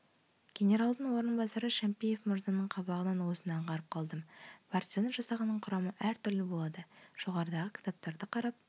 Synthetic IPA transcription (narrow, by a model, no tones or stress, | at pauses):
ɡ̥ʲe̞nʲe̞ɾɑlˠd̪əɴwo̞ɾənbɑsɑɾəʃæmpijefmʊɾzɑnːəɴqʰɑbɑʁənɑnwo̞sənɑɴqɑɾəp̚qʰɑlˠd̪əmpart̪ʲizenʒ̥ɑsɑʁɑnːəɴqʰʊɾɑməʔæɾt̪ʰʏɾlɪbolˠɑd̪əʒ̥o̞ʁɑɾəd̪ɑʁəkʲʰɪ̥t̪ɑp̚t̪ɑɾd̪əqʰɑɾɑp̚